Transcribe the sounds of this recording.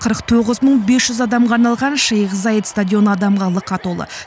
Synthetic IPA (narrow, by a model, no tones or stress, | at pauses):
qʰəɾəqt̪ʰoʁəzməɴbesʒ̥ʏzɑd̪ɑmʁɑːɾnɑlˠʁɑnʃɑjəqəzɑjət̪st̪adʲjo̞nəɑd̪ɑmʁɑlˠəqʰɑt̪olˠə̰